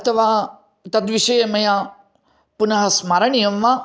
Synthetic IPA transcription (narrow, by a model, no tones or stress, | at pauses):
ɐt̪ʰɐʋa | t̪ɐd̪ʋiʃɐjemɐja | punɐɦɐsmaɾɐɳijɐmʋa